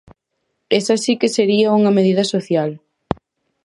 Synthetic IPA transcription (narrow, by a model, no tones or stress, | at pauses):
esasikeseɾiɐuŋɐmeð̞iðɐsoθjal